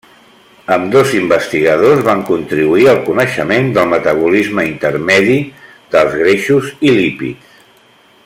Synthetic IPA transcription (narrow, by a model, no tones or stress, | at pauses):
əmd̪ozimbəst̪iɣəðozβaŋkunt̪ɾiβuiəlˠkunəʃəmend̪əlˠmət̪əβ̞ulizməint̪əɾmɛði | ðəlˠzɣɾeʃuzilipḭtt͡s